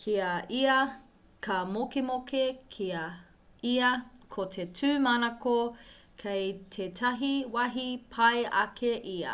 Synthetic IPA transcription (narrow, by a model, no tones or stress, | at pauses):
kʰiɐiɐ | kɐmokemokekʰiɐ | iɐkʰotʰetʰʉːmɐnɐkokʰejtʰetʰɐɦiwɐɦipʰɐeʔɐkʰeʔiɐ̰